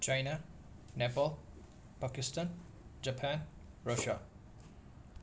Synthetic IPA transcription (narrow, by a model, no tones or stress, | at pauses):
t͡ʃajna | nɛpɔl | pakɪstãn | d͡ʒəpʰãnɹʌʃa̰